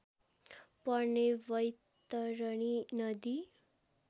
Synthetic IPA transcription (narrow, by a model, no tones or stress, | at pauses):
pʌneʋʌjt̪ʌɾʌɳ̃inʌd̪i